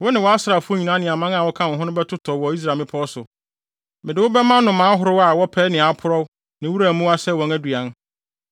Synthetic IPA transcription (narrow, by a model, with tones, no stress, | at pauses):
wɔ˦nɪ̃˨wɔ˨a˦sɾa˨fʊ˦o˦ɲĩ˨nã˦nɪ̃˨a˨mã˦ŋa˨wɔ˦kʰã˦˨ʊ̃˨ɦʊ̃˦nʊ̃˦bɛ˦tʰʊ˦tʰɔ˨wɔ˨i˦s̬ɾa˨mɪ̃˦pʰɔ˦sʊ˨ | mɪ̃˨dɪ˨wʊ˦bɛ˦mã˦nʊ̃˨mãː˨˦ɦʊ˦ɾʊ˦wa˦˨wɔ˦pʰɛ˦nɪ̃˨a˨˦pʰʊ˦ɾɔ˦w | nɪ̃˨wu˦ɾa˨mũ˦a˦sɛ˦˨wɔ̃˨ŋæ˦du˨a˨˦n